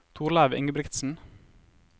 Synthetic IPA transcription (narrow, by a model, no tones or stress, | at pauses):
t̪ʰuːɾlæːʋɪ̰ŋəbɾɪkt̪sn̩